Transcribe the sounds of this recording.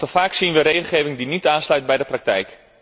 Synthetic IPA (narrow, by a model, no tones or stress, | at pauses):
təfaːksinʋəɾejɣl̩ˠχeːvɪŋdinitaːnslœɥt̚bɛjdəprak̚tɛjk